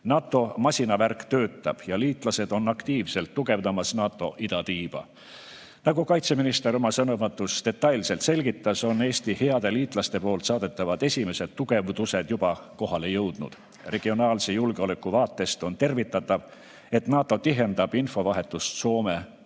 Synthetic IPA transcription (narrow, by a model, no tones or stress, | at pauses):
nɑːt̪ːˑo̞mɑsʲinɑværkt̪ø̞ːt̪ːˑɑb̥jɑliːt̪ˑlɑse̞d̪̥o̞nːɑkt̪iːvse̞lt̪ːuɡ̥e̞vd̪ɑmɑsnɑːt̪ːˑo̞ʔid̪̥ɑt̪iːb̥ɑ̰ | nɑɡukɑjt̪se̞minist̪e̞ɾo̞mɑsɤnovɑt̪ːˑust̪e̞t̪ːɑjlse̞lt̪se̞lʲɡ̥it̪ːˑɑso̞nːe̞ːst̪ihe̞ɑd̪e̞liːt̪ˑlɑst̪e̞po̞ːlt̪sɑːd̪̥e̞t̪ːˑɑvɑd̪̥e̞sʲime̞se̞d̪̥̚t̪ːuɡ̥e̞vd̪use̞d̪̥jub̥ɑko̞ɦɑle̞jɤwd̪̥nṵd̪̥ | re̞ɡ̥io̞nɑːlsejulɡ̥eo̞le̞kˑːuvɑːt̪ːˑe̞st̪o̞nt̪e̞rvit̪ːˑɑt̪ːˑɑv | e̞t̪nɑːt̪ːˑo̞t̪iɦe̞nd̪ɑb̥info̞vɑɦe̞t̪ːˑust̪so̞ːme̞